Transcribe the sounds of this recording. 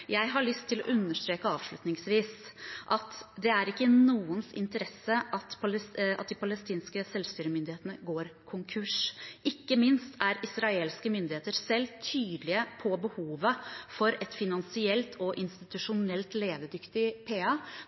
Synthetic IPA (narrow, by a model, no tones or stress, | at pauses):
jæɪɦɑɭʏst̪ʰːɪlɔ̰ʔʉnːəʂt̪ɾeːkəɑːʋʂɭʉt̪nɪŋsʋiːsʔɑt̪d̪ɛæɾɪkːənuːənsɪ̰nt̪əɾɛsːəʔɑt̪pʰɑlɑ̰t̪̚d̪ɪpʰɑləst̪iːnskəsɛlʋst̪yːɾəmʏnd̪ɪheːt̪ənəɡoːɾkʰʊŋkʰʉʂʔɪkːəmɪnst̪ʰæɾɪsɾɑeːlskəmʏnd̪ɪheːt̪əɾsɛlːt̪ʰyːd̪lɪəpʰɔbəhuːʋəfɔɾɛt̪fɪnɑnsɪɛlt̪ʰɔʔɪnst̪ɪt̪ʉʂʊnɛlt̪leːʋ̪əd̪ʏkt̪ɪpʰeːɑ